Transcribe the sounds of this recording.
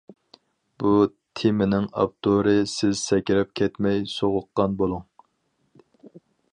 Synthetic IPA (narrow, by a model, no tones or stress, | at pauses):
but̪ʰemɪnɪŋɑ̰p̚t̪ʰoɾɨsɪzsɛkʲiɾɛp̚kʲʰɛt̪mɛjsoʁʊqːɑnbolˠuŋ